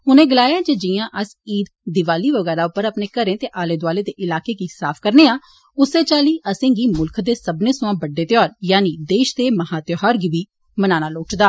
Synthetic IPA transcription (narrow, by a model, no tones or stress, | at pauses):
ɦʊnẽːɡəlaːjaːd͡ʒeːd͡ʒɪjãːʔəsiːd̪d̪ɪʋaːliːʋəɡɛːɾaːʊpːəɾəpneːkəɾẽːt̪eːʔaːleːd̪ʊaːleːd̪eːʔɪlaːkeːɡiːsaːpʰkəɾneːaː | ʊseːt͡ʃaːliːʔəsẽːɡiːmʊlkʰd̪eːsəbnẽːsʊãːbəɖːeːt̪jɔːɾjaːniːd̪eːʃd̪eːməɦaːt̪joɦaːɾɡiːʋiː | mənaːnaːloːʈd̪aː